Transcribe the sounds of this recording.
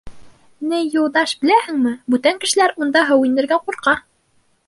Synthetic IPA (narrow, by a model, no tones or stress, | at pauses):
nɘjulˠd̪ɑʃbɘ̆læhɘ̆ŋmɘbʉt̪æŋkɘ̆ʃɘ̆læɾund̪ɑɦɤwind̪ɘ̆ɾɡæquɾqɑ